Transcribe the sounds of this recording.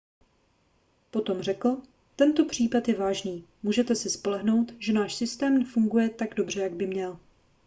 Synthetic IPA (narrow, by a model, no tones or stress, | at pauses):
po̞t̪o̞mrɛkl̩ | t̪ɛnt̪o̞pr̝̥iːpat̪jɛvaːʒniː | muːʒɛt̪ɛsɪspo̞lɛɦno̞wt̪ʒɛnaːʃsɪst̪ɛːmnɛfuŋɡujɛt̪aɡdo̞br̝ɛjaɡ̚bɪmɲɛl